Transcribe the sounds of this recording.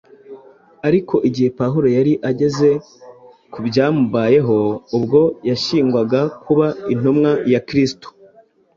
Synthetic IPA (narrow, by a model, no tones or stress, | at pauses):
aɾikʰo̞ʔiɟihe̞paɦuɾo̞jaɾiʔaɟe̞ze̞ | kubjaːmuβaːje̞ɦo̞ubɡo̞jaʃiːŋɡwaɡakʰuβain̥omŋajakɾisto̥